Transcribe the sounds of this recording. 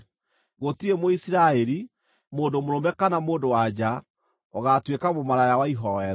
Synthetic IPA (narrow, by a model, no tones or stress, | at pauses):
ɣotiemoisiɾaɛɾi | moːndomoɾomɛkanamoːndowad͡ʑa | ɔɣatwekamomaɾajawaiɦɔɛɾ